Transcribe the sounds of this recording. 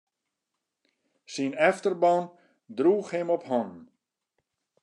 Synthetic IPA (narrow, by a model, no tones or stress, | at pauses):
sinɛftərbɔn | druːxhɪmɔpɦɔn